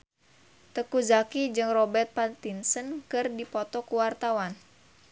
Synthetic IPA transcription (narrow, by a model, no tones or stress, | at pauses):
t̪əkuzakid͡ʒɨŋrɔbɛrt̪̚pant̪insənkɨrdipɔt̪ɔkuwart̪awan